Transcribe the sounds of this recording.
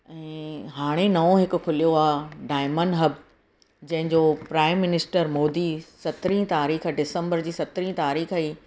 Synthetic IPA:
ɛ̃ːɦaːɽ̃enɐʋõɦɪkʊ̆kʰʊlijoaːɦɖaːɪmənɦɐb | d͡ʑɐ̃ɦɪ̃ɲd͡ʑoːpɾaːɪmːɪnɪsʈəɾmoːd̪isɐt̪ɾĩt̪aːɾiːxɖɪsə̃mbəɾd͡ʑiːsɐt̪ɾĩt̪aːɾiːxaiː

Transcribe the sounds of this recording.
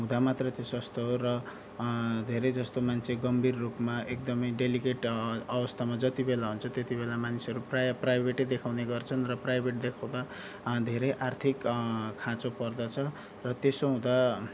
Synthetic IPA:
ɦũd̪amat̪rʌt̪josʌst̪oɦorʌ | d̪ʱeɾed͡zʌst̪omant͡sʰeɡʌmbirːupmaʔek̚d̪ʌmʌjɖelikeʈʌbʌst̪ʰamad͡zʌt̪ibelaɦunt͡sʰʌt̪et̪ibelamanisʌɾuprprajbʱeʈed̪ekʰawneɡʌrt͡sʰʌnrʌprajbʱeʈd̪ekʰaw̃d̪a | d̪ʱeɾʌjʔart̪ʰikkʰãt͡sopʌrd̪ʌt͡sʰʌ | rʌt̪esoɦũd̪a

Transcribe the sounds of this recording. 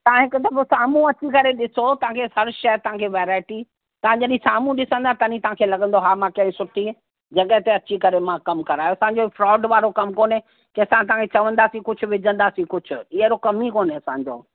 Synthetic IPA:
t̪ɐãɦɪkʊt̪ɐbosaːmũɐt͡ɕikɐɾeɗɪsot̪ɐʋ̤ãkʰehɐɾʃɐjt̪ɐɦãkʰeʋeːɾaːɪʈi | t̪ɐʋ̤ãd͡ʑɐɗĩsaːmũɗɪsə̃nd̪aːt̪ɐnĩt̪ɐʋ̤ãkʰelɐɠə̃nd̪oɦaːmãkɐ̃ɦsʊʈʰi | d͡ʑɐɠəɦt̪eɐt͡ɕikɐɾemãkɐmkɐɾaːjoɐsãːɲ̆d͡ʑofɾɔːɖʋaːɾokɐmkoːne | keɐsãt̪ɐɦãkʰet͡ɕɐʋə̃nd̪aːsĩkʊd͡ʑʰʱʊʋɪd͡ʑʱə̃nd̪aːsĩkʊd͡ʑʱʊ̆ɪɦəɾokɐmikoːneɐsãːɲd͡ʑo̰ː

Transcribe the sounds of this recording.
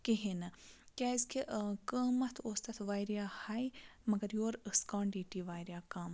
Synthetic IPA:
kiɦinɐkʲaːzkʰiʔkəːmɐt̪ʰoːst̪ɐt̪ʰʋaːjɾjaːhajmɐɡɐɾjoːɾəskãːɳɖiːʈiʋaːjɾjaːkaːm

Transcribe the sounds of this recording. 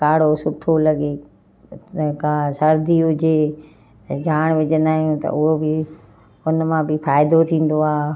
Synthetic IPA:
kaːɽosʊʈʰolɐɡe | kãsɐɾd̪iʊd͡ʑeː | d͡ʑʱaːɽ̃ʋɪd͡ʑənaːɦijũt̪ɐ̰ʔʊɦobɪ | ʊnmãbɪfaːɪd̪ot̪ʰĩːn̆d̪oaːɦ

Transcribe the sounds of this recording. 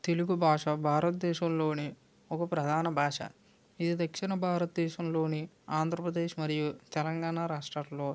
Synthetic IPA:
t̪eluɡubʱaːʂɐbʱaːɾɐt̪̚d̪ɛːʃɐmlo̞ːni | ɔkɐpɾɐd̪ʱaːnɐbʱaːʂɐ̰ | id̪id̪ɐkʂinɐbʱaːɾɐt̪d̪ɛːʃɐmlo̞ːni | aːnd̪ʱɾɐpɾɐd̪eːʂmɐɾijut̪ɛlɐŋɡaːɳaɾaːʂʈɾɐlo̞ː

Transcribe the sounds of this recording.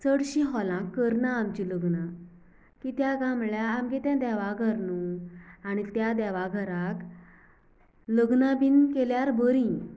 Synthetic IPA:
t͡səɽɕĩɦɔlãkːəɾnaːmt͡ɕiləɡna | kit̪jaɡamɭjaːmɡet̪ãd̪ɛʋaɡʱəɾnuaɽ̃it̪jad̪ɛʋaɡʱəɾak | ləɡnabinkeljaɾbəɾĩ

